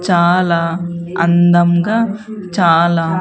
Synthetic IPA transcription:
t͡ʃaːlaːɐ̰nd̪ɐmɡaː | t͡ʃaːlaː

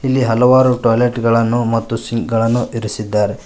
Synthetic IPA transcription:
ilːiɦɐlɐʋaːɾuʈɐːjleʈɡɐɭɐnːumɐt̪ːusiŋkɡɐɭɐnːuʔiɾisid̪ːaːɾe

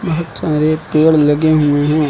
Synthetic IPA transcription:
bɐɦʊt̪saːɾepeːɽlɐɡeɦueɦɛ̃ː

